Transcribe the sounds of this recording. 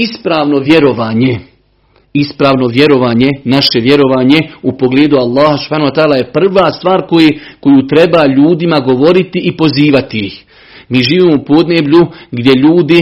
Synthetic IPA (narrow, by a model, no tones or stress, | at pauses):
ispɾaːʋno̞ʋje̞ɾo̞ʋaːɲe̞ | ispɾaːʋno̞ʋje̞ɾo̞ʋaːɲe̞naʃe̞ʋje̞ɾo̞ʋaːɲeupo̞ɡleːd̪ualˠːaːhasu̥phaːnhuat̪aːlaje̞pr̩ʋaːst̪ʋaːɾkojeko̞jut̪ɾe̞baːʎuːd̪imaɡo̞ʋo̞ɾit̪iʔipo̞ziːʋat̪iix | miːʒiːʋiːmoupo̞d̪neːbʎuɡd̪je̞ʎuːd̪i